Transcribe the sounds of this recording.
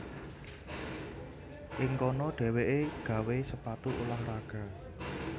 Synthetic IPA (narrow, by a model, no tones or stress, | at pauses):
ʔɪŋkɔnɔɖ̥ɛ̤weʔeɡ̥ä̤wesəpat̪uʔolahraɡ̥a̤